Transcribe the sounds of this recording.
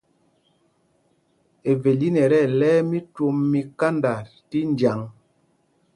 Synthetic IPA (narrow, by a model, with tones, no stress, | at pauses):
e˨ve˨li˦nɛ˨ɾɛ˦˨lɛː˦mi˦to˦mːi˦ka˦nda˨ | ti˦n˨d͡ʒja˨ŋ